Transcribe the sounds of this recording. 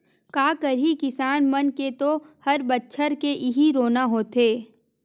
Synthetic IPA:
kaːkəɾikɪsaːnmənket̪ohɐɾbətːʃʰəɾkeʔɪɦiɾoːnaɦoːt̪eː

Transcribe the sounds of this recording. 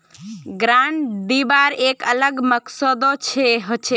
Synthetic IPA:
ɡɾãɳɖd̪ibaɾekələɡməksəd̪ot͡ʃʰeɦot͡ʃʰe

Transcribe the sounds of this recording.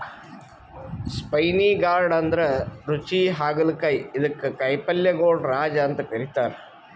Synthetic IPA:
spɐjniːɡaːɾɖɐnd̪ɾɐɾut͡ʃiɦaːɡɐlkɐjiðɐkːɨkɐjpːɐljɐɡoːɖɾaːd͡ʒaːnt̪ɨkɐɾit̪ːaːɾ

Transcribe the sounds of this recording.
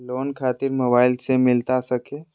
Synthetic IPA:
loːnkʰaːt̪ɪɾmoːbaːɪlsemɪlt̪asɐkʰeː

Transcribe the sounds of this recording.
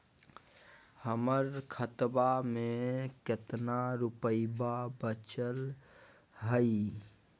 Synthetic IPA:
həməɾkʰət̪bamẽkɪt̪naɾʊpəibabət͡ʃəl | ɦəi

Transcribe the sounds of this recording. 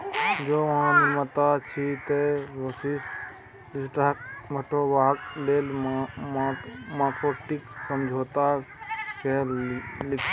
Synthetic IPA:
d͡ʒoːʋɐɦãnɪmət̪at͡ʃʰit̪eʋəsis | dɪsʈaɦək̚məʈʰoʋaːkleːl | maːkoːʈɪksəmd͡ʒʱoːt̪akelɪkʰ

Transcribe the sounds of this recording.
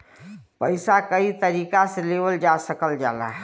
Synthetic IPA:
pəɪsakəit̪əɾiːkaseleːbəld͡ʒasəkəld͡ʒa̰ːla̰ɦ

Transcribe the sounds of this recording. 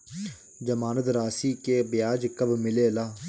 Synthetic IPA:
d͡ʒəmaːnət̪ɾaːsiːkeːbjaːd͡ʒkəbmɪleːlaː

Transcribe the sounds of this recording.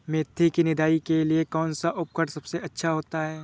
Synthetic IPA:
meːt̪ʰːikinɪd̪ʱaːikeliekɔːnsaʔʊp̚kəʈsɐbseɐtːʃʰaɦoːt̪aɦɛː

